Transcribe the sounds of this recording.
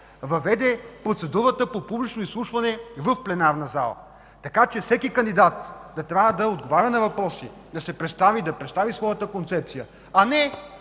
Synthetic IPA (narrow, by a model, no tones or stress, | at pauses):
vɐvɛd̪ɛpɾot̪sɛd̪uɾət̪əpopublit͡ʃnoislˠuʃvɐnɛvəfplɛnaɾnɐza̰lˠə̰ | t̪ɐkat͡ʃɛfsɛkikɐnd̪id̪at̪d̪ɐt̪ɾʲavəd̪ɐod̪ɡovaɾʲɐnɐvɐpɾɔsi | d̪ɐsɛpɾɛt̪st̪avid̪ɐpɾɛt̪st̪avisvɔjət̪əkont̪sɛpt̪sijə | ɐnɛ